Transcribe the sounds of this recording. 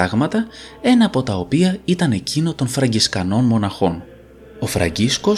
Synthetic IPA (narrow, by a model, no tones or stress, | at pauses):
ɐɣmɐt̪ɐe̞nɐːpo̞t̪ɐo̞piɐit̪ɐne̞cino̞t̪o̞nfɾɐɲɟiskɐno̞nmo̞nɐxo̞n | o̞fɾɐ̰ɲɟisko̞